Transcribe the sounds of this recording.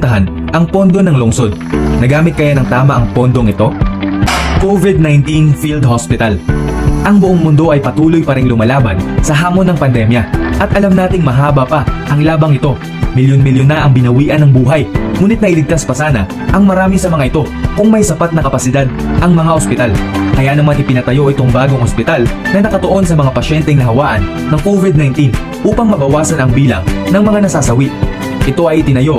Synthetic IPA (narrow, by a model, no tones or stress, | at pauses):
t̪ɐɦan | ʔɐŋpo̞nd̪o̞nɐŋloŋso̞d̪̚nɐɡaːmɪt̪̚kɐjanɐŋt̪aːmɐʔɐŋpo̞nd̪o̞ŋɪt̪o̞ | kovɪd̪̚najnt̪infild̪hospɪt̪ɐlʔɐŋbʊʔoŋmʊnd̪o̞ʔɐjpɐt̪uːlo̞jpɐɾɪŋlʊmɐlaːbɐnsɐɦaːmo̞nːɐŋpɐnd̪ɛmjɐʔɐt̪ʔɐlɐmnaːt̪ɪŋmɐɦaːbɐpɐʔɐŋlaːbɐŋɪt̪o̞ | mɪljonmɪljonːɐʔɐŋbɪnɐwiːʔɐnɐŋbuːɦɐjŋuːnɪt̪̚nɐʔɪlɪɡ̚t̪aspɐsaːnɐ | ʔɐŋmɐɾaːmisɐmɐŋaʔɪt̪o̞ | kʊŋmɐjsɐpat̪̚nɐkɐpɐsɪd̪ad̪̚ʔɐŋmɐŋaʔospɪt̪alkɐjanɐmanʔɪpɪnɐt̪ɐjo̞ʔɪt̪o̞ŋbaːɡoŋhospɪt̪alnɐnɐkɐt̪oʔo̞nsɐmɐŋapɐʃɛnt̪ɛŋnɐɦɐwaːʔɐnːɐŋkovɪd̪̚najnt̪in | ʔuːpɐŋmɐbɐwaːsɐnɐŋbiːlɐ̰ŋnɐŋmɐŋanɐsaːsɐwiʔ | ʔɪt̪o̞ʔɐjʔɪt̪ɪnɐjo̞